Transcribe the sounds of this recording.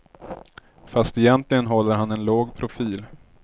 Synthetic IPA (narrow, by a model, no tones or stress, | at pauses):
fast̪ɛjɛnt̪lɪɡənɦɔlːəɾhanɛnloːɡpʰɾʊfiːl